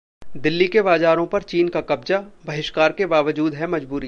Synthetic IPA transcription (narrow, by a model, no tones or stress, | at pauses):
d̪ɪlːikebaːd͡ʒaːɾõpɐɾt͡ʃiːnkakɐbzabɐɦɪʃkaːɾkebaːʋəd͡ʒuːd̪ɦɛmɐd͡ʒbuːɾ